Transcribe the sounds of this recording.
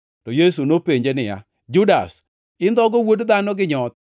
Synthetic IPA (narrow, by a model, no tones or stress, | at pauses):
tɔjes̬unopeɲd͡ʒenɪja̰ | d͡ʒʊda̰s | ɪnd̪ɔɡɔwodd̪anɔɡɪɲɔt̪̚